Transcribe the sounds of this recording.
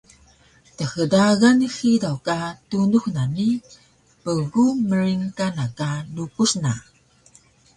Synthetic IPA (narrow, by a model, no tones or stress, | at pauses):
təxədaɣanixidawkatunuxnani | pəɣuməɾiŋkanakalukusna